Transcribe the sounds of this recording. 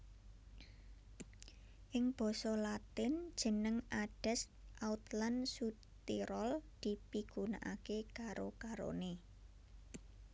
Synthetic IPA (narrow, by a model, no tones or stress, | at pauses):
ʔɪŋb̥ɔ̤sɔlat̪ɪnd̥ʒ̥ə̤nəŋaɖ̥ɛ̤st̪ʔaut̪lansu | t̪iɾɔld̪̥i̤piɡ̥una̰ʔa̰kekaɾokaɾo̰ne